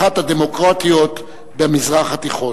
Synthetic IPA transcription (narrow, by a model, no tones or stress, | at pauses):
at̪had̪emo̞kʁat̪ijo̞t̪ | bemizʁaχhat̪iχo